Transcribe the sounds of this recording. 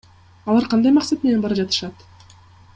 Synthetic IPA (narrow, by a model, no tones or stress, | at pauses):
ɑlˠɑɾqʰɑnd̪ɑjmɑqsat̪̚me̞ne̞nbɑɾɑd͡ʒɑt̪ɯ̥ʃɑt̪